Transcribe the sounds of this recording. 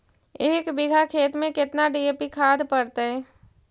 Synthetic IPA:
eːkbɪɡʱakʰeːt̪mẽkɪt̪naɖijeːpikʰaːd̪pɐɽt̪eɦɛ̃ː

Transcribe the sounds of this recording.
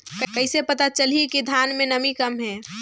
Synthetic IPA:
kəkəɪsepət̪at͡ʃəlikid̪ʱanmẽnəmikəmɦɛ

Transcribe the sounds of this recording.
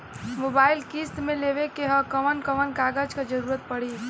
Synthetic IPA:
mobaːɪlkist̪mẽleʋekeɦəkəʋənkəʋənkaːɡəd͡ʒkad͡ʒəɾuːɾət̪̚pəɽi

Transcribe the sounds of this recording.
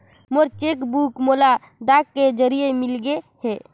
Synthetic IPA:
moɾt͡ʃekbukmola | ɖakːed͡ʒəɾijemilɡehe

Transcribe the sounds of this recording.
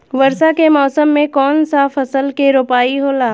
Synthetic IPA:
ʋɐɾsakemɔːsəmːẽkɔːnsafʰɐsəlkeɾoːpaːiɦoːlaː

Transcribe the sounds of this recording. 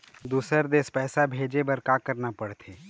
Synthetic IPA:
d̪uːsəɾd̪eːspɛːsabʱeːd͡ʒebəɾkaːkəɾnapɐɽt̪ʰeː

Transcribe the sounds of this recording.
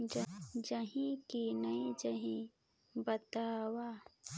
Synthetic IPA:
d͡ʒd͡ʒəɦĩkenəid͡ʒəɦĩ | bət̪aːwa

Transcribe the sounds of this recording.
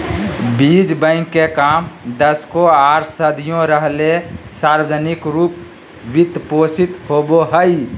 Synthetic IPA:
bid͡ʒbə̃ɪ̃ŋkːekamd̪əskoaːɾsəd̪ʱijõɾəɦlesaɾwəd͡ʒənɪkɾuːp | ʋɪt̪posit̪hoboɦəi

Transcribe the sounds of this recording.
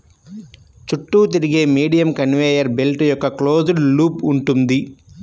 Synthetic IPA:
t͡ʃuʈːuːt̪̬iɾiɡe̞ːmiːɖijɐmkɐnʋeːjɐɾbelʈjɔkːɐklo̞ːd͡ʒuɽluːpuɳʈund̪i

